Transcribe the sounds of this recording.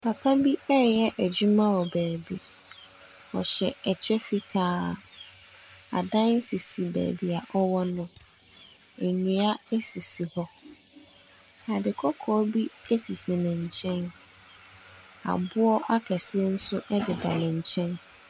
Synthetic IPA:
pʰa˨pʰa˦bi˦ɛ˦˨ɛ˦ʔæ˨d͡ʑu˦mã˦wɔ˨bæː˨bi˨ | ɔ̰˨ɕɛ˨ɛ˨t͡ɕʰɛ˦fi˦tʰaː˦˨ | a̰˨dã˦n̩˦si˨si˨bæ̰ː˨bi˨a˨ʔɔ˦wɔ˦nʊ̃˦ | ɛ˨ɲĩ˨a˦e˦si˨si˨hɔ˦ | a˨dɪ˨kʰɔ˦kʰɔː˨˦bi˦e˦si˨si˨nɪ̃˨ɲ̩˨t͡ɕʰɛ̃˦n | a̰˨bʊ˦ɔ˦ʔa˦kʰɛ˨sɪ˦e˦n̩˦sʊ˦ʔɛ˦dɪ˨da̰˨nɪ̃˨ɲ̩˨t͡ɕʰɛ̃˦n

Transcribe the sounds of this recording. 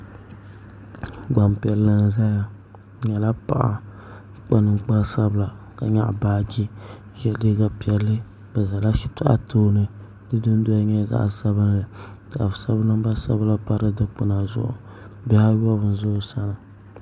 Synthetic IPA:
ɡ͡ba˨mpi˨ɛ˨lːɨ˦n˦za˦ja˨ | ɲɛ˨la˦pa̰˨ʔa̰˨˦ | k͡pa˦nɨ˨ŋ͡mk͡pa˦sa˦bla˨ | ka˨ɲa̰˦ʔbaː˦d͡ʒi˦ | ʒɛ˦di˦ɡa˨pi˨ɛ˨lːɨ˦ | b̥ɛ˨za˨la˦ʃi̥˦tʊ˦ʔa̰˦tʰoː˦nɨ˦ | dɨ˦dɨ˦n˦do˦a˦ɲɛ˦za̰˨ʔsa˦βɨ˦nlɨ˨ | ta˨ʔa˨fsa˦βnɨ˦m˦ba˦sa̰˦bla˦pa˦ɾɨ˦dɨ˦k͡pʊ˦na˨zʊ̰˦˨ʔʊ̰˨ | bɛ˦ha˦jɔ˦βɨ˨n˨zʊ˦ʊ˦˨sa˦nɨ˨

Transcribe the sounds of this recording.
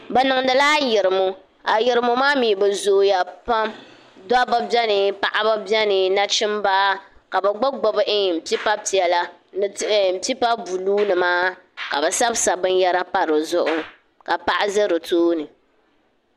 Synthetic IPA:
bɛ˨nɨ˨ŋdɨ˨laː˦jɪ˨ɾɨ˨mo˦ | a˨jɪ˨ɾɨ˨mʊ˨maː˦miː˨bɛ˨zoː˨ja˨pa˦m | da˦ba˦bɛ˦nɨ˨pa˨ʔa˦ba˦bɛ˦nɨ˨na˦t͡ʃɪ˦mbaː˦ka˨bɛ˨ɡ͡ba˦ɡ͡bo˨bɨ˦ʔɪ˦˨m̩˨pi˦pa˦pi˨ɛ˨la˦n˨m̩˨pi˦pa˦bu˨luː˦nɨ˨maː˦ka˨bɛ˨sa˦bsa˨bɨ˦n˦jɛ˦ɾa˦pa˦ɾɨ˨zʊ˦ʔʊ˦ | ka˨pa˨ʔa˦zɨ˦ɾɨ˨toː˦nɨ˨

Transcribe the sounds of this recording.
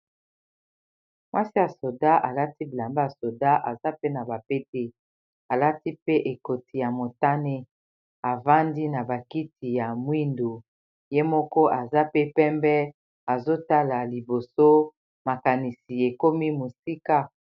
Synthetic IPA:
mwa˦si˦ja˨so˨da˦ʔa˨la˦ti˦bi˨la˨mba˦a˨so˨da˦ʔa˨za˦pe˦na˨ba˨pe˦te˦ | a˨la˦ti˦pe˦ʔe˨ko˨ti˨ja˨mo˨ta˦ne˦ | a˨va˦ndi˦na˨ba˨ki˦ti˨ja˨mwi˦ndo˨ | je˦mɔ˦kɔ˦ʔa˨za˦pe˦pɛ˦mbɛ˦ | a˨zo˦ta˦la˨li˨bo˨so˦ | ma˨ka˨ni˨si˨e˨ko˦mi˦mo˨si˦ka˦

